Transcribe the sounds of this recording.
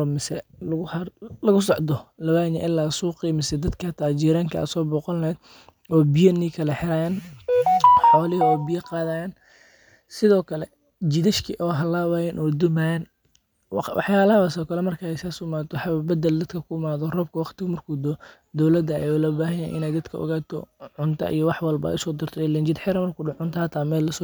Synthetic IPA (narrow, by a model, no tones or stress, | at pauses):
ɔmɪsɛlʊlɐɣʊsɔʕd̪ɔlɐwaːɲɛ̰ʔɪlːaːsuːqiːmɪsɛd̪ɐd̪kʰɐt̪ʰaːt͡ʃiːɾaːŋkʰɐɐ̰sɔːbɔːqɔlnɛːd̪ | ɔːbɪjɐniːkʰɐlɛħɪɾaːjaːn | ħɔːlɪɦɐɔːbɪjɐqɑːðɐjaːn | sɪðɔːkʰɐlɛ | d͡ʒɪðɐʃkʰiʔɔːɦɐlaːwajɐnʔɔːd̪ʊmajɐn | w̰wʔɑ̰ħjaːlɐhɐwɐsɔːkʰɐlɛmɐrkʰɐɛjsaːsʊmaːt̪ɔħɑbbɐd̪ɛld̪ɐd̪kʰɐkʰʊɪmaːðɔrɔːb̚kʰɐwɑχt̪ɪɣɐmɐrkʰuːd̪ɔ | d̪ɔwlɐd̪ɐ̰jʊlɔbaːɦɐjɛ̰ʔɪ̰nɛjd̪ɐd̪kʰɐʔɔ̰ɣaːt̪ʰɔ̰ʕʊnt̪ʰɐ̰ʔḭjɔwɑħwɑlbɐ̰ʔʊsɔːd̪ɪrt̪ʰɔɛlɛnd͡ʒɪd̪ħɪɾɐmɐrkʰʊːɖʊʕʊnt̪ʰɐhɐt̪ʰaːmɛːlːɐsɔː